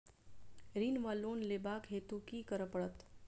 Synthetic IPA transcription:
ɾiːnʋaːloːnleːbaːkɦeːt̪ukikəɾəpəɽət̪

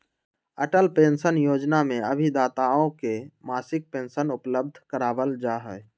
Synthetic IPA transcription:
əʈəlpẽːnsənjoːd͡ʒnamẽəbʱid̪aːt̪aõkemasɪk̚peːnsənʊpləb̚d̪ʱkəɾaːbəld͡ʒaɦə

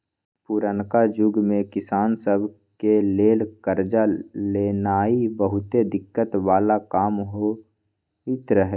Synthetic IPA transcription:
puɾənkad͡ʒʊɡmẽkɪsaːnsəbʱ | keleːlkəɾd͡ʒaleːnaːibəɦʊt̪ed̪ɪkːət̪ʋaːlakaːmɦo | it̪ɾəɦɛ

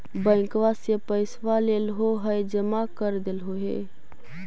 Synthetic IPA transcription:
bə̃ɪ̃ŋkʋasjepəɪsʋaleːlɦoɦəjd͡ʒəmakəɾd̪elɦoɦḛː

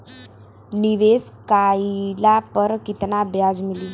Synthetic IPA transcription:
niʋeskajlapəɾkit̪nabjad͡zmili

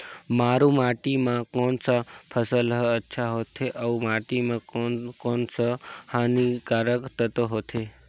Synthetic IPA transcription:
maɾũmaʈimãkonsapʰəsəlɦəətːʃʰaɦot̪ʰeʔəũmaʈimãkonsəhanikaɾəkt̪ʰət̪oɦot̪ʰe

